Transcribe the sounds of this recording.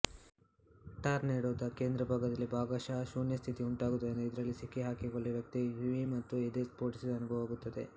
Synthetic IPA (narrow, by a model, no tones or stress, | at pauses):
ʈaːɾneːɽoːd̪ɐke̞ːnd̪ɾɐbʱaːɡɐd̪ɐlːibaːɡaːʃaʃuːnjɐst̪ʰit̪iuɳʈaːɡud̪und̪uid̪ɐɾɐlːisikːeɦaːkiɡoɭːeʋjɐk̚t̪ijuʋimɐt̪ːuid̪espoːɾʈisɐɐnubʱɐʋaːɡut̪ːɐd̪e̞̰